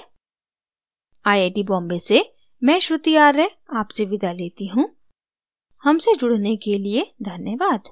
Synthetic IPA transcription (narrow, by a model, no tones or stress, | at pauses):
aːjeːɖibɔ̃ːmbese | mɛ̃ːʃɾʊt̪ijaːɾɛaːpseʋɪd̪ʱaleːt̪iɦũː | hɐmsed͡ʒʊɽ̤nekelied̪ʱɐnjəʋaːd̪